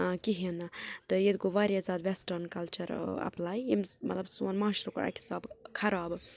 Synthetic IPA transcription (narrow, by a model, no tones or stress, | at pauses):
kiɦinɨt̪ɨjed̪ɡoʋaːɾijazaːd̪ʋesʈɐɾnkɐlt͡ʃɐɾɐ̰plaːjimmɐt̪lɐbsuɐnmãːʃɾukɐɾa̰kʰi̥sabkʰɐɾaːb